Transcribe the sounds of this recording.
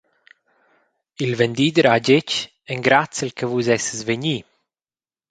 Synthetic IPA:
ilvɛnd̪iːd̪əɾaɟet͡ʃ | ɛŋɡɾat͡səlkʰəvuzɛsəzveɲi

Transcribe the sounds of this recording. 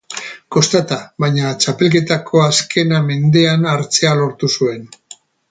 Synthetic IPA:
ko̞st̪at̪aβajɲat͡ʃape̞lk̬e̞t̪akʰo̞askʰe̞name̞nd̪e̞anaɾt͡se̞alo̞ɾt̪usue̞n

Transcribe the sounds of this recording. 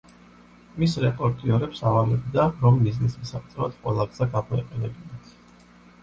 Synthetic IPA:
misɾɛpʼɔɾt̪ʼiɔɾɛpsavalɛbd̪aɾɔmːiznismisaχ̚ʼt̪ʼɛɾat̪qʼwɛlˠaɡz̥aɡamɔiqʼɛnɛbinat̪ʰ

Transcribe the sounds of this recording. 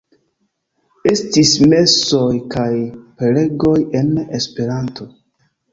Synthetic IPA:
e̞stisme̞so̞jkajpe̞le̞ɡo̞je̞nespe̞ɾanto̞

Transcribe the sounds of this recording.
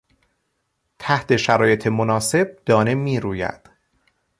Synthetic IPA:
t̪ʰæht̪ʰe̞ʃæɾɒːje̞t̪ʰe̞monɒːse̞b̥̚d̪̥ɒːne̞miːɾuːjæ̰d̪̥

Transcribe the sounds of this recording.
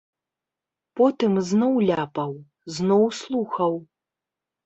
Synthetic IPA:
pɔt̪ɨmznɔwlʲapɐw | znɔwslˠuxɐw

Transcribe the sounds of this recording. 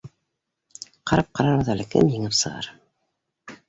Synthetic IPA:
qɑɾɑp̚qɑɾɑɾɤðælɘ̆kɘ̰mjɘ̆ŋɘpsɤ̆ʁɑ̰ɾ

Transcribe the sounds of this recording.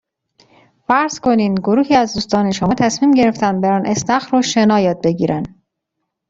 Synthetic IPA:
fæɾz̥kʰo̞niːnɡoɾuːhiːæzd̪uːst̪ɒːne̞ʃomɒːt̪ʰæsmiːmɟe̞ɾe̞ft̪ʰænd̪̚beɾɒːnʔe̞snæxɾoʃe̞nɒːjɒːd̪̚be̞ɟiːɾæn

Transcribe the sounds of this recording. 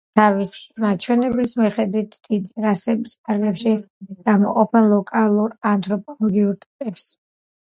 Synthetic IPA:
t̪ʰavismat͡ʃʰwɛnɛblismiχɛd̪wit̪ʰd̪id̪iɾasɛbisp̚ʰaɾɡlɛpʃi | ɡ̥amɔqʼɔpʰɛnlˠɔkʼalˠuɾant̪ʰʼɾɔpʼɔlˠɔɡiuɾt̪ʼipʼɛps

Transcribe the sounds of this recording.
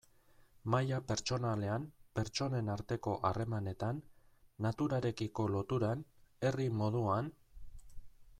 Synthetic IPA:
majape̞ɾt͡ʃo̞nale̞ampe̞ɾt͡ʃo̞ne̞naɾt̪e̞ko̞ʔare̞mane̞t̪anːat̪uɾaɾe̞kiko̞lo̞t̪uɾane̞rimo̞ð̞uan

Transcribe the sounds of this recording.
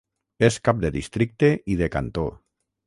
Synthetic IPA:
eskap̚d̪eðist̪ɾik̚t̪eʔið̞eka̰nt̪o

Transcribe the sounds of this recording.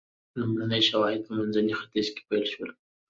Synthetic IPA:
numɾanəjʃawɑhɪd̪̚pəmanzanixat̪ɪzke̥pajlʃwəl

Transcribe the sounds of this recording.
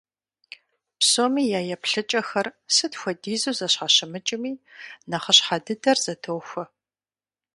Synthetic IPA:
psoːmiːjaːjɛpɬɨt͡ʃʼɐxɐrsɨtxʷɔdiːzuːzɐɕħaɕɪmɨt͡ʃʼɪmiːnɐχəɕħadɨdɐrz̥ɐtʰoːwxʷɐ

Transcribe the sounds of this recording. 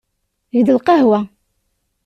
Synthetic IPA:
ʝd̪əlqɑhwæ

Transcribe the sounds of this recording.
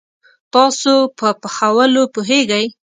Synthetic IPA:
t̪ɑsopəpəxawəlopoɦeɡəj

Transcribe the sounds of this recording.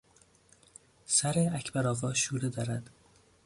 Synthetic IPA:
sæɾeæcʰbæɾɒːvɒːʃuːɾed̪ɒːɾæd̪̥

